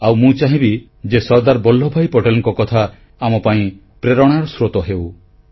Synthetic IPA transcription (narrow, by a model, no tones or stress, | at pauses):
awmũt͡ʃaɦĩbi | d͡ʒesɔɾd̪aɾbɔl̤ːɔbʱajpɔʈelɔŋkɔkɔt̪ʰaː | mɔpaĩ | pɾeɾɔɽ̃aɾɔsɾot̪ɔɦew